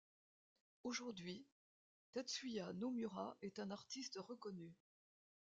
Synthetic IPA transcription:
oʒuʁd̪ɥi | t̪at̪sɥijanomyʁaʔɛt̪ɛ̃naʁt̪ist̪ʁəkɔny

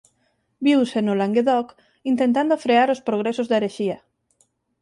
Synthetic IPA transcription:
biwsenolaŋɡeðɔk | int̪ent̪and̪ofɾeaɾospɾoɣ̞ɾesozðaeɾeʃiɐ

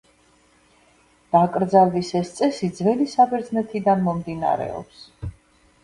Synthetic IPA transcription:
d̪̥akʼɾd̪zald̪isɛst̪sʼɛsid̪zvɛlisabɛɾd̪znɛt̪ʰid̪anmɔmd̪ina̰ɾɛ̰ɔ̰ps

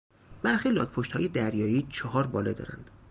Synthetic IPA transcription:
b̥æɾxiːlɒ̰ːɡpʰoʃt̪hɒːje̞d̪æɾjɒːiːt͡ʃʰɒɦɒːɾbɒːlɒd̪ɒ̰ːɾæ̰nd̪̥

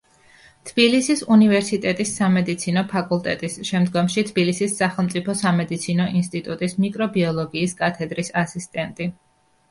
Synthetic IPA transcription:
t̪ʰb̥ilisisunivɛɾsit̪ʼɛt̪ʼisːamɛd̪it̪sʰinɔpʰakʼulˠt̪ʼɛt̪ʼisʃɛmd̪ɡɔmʃit̪ʰb̥ilisisːaχɛlˠmt̪sʼipʰɔsamɛd̪it̪sʰinɔʔinst̪ʼit̪ʼut̪ʼismikʼɾɔbiɔlˠɔɡiːskʼat̪ʰɛd̪ɾisasist̪ʼɛnt̪ʼi

